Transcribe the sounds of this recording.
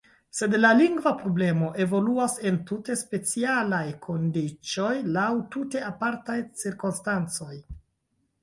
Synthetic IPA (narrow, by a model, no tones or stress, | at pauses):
se̞dlaliŋɡvapɾo̞ble̞mo̞ʔe̞vo̞luase̞ntute̞spe̞t͡sialajkʰo̞ndit͡ʃo̞jlawtute̞apaɾtajt͡siɾkonstant͡so̞j